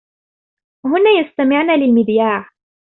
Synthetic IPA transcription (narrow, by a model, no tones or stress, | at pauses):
hʊnaːjast̪amɪʕnaːlɪlmɪðjaːʕ